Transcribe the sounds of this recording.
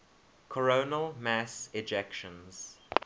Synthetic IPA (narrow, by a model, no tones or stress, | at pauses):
kʰəɹoːnəlˠmæsɪd͡ʒɛkʃə̃nz̥